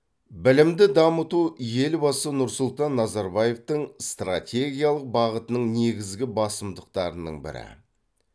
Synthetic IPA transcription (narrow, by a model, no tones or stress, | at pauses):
bɪlɪmd̪ɪd̪ɑmət̪uje̞lbɑsənʊɾsʊlˠt̪ɑnːɑzɑɾbɑje̞ft̪əɴst̪ra̰tʲʰe̞ɡʲijalˠəq̚bɑʁət̪ənəɴne̞ɡʲɪzɡʲɪbɑsəmd̪əq̚t̪ɑɾənə̰ɴbɪ̰ɾɪ̰